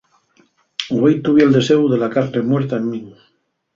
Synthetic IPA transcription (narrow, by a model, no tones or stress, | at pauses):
ejt̪uβjeld̪e̞sewðe̞lakaɾnemweɾt̪aemːĩŋ